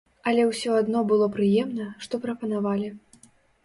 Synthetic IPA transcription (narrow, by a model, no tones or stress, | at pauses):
ɐlʲɛwsʲɔad̪nɔbɨlˠɔpɾɨjɛmnɐʂt̪ɔpɾɐpɐnavalʲi